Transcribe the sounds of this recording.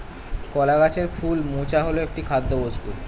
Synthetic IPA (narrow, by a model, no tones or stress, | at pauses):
kɔlaɡat͡ɕeɾfʰulmut͡ɕaɦoloek̚ʈikʰad̪ːobost̪u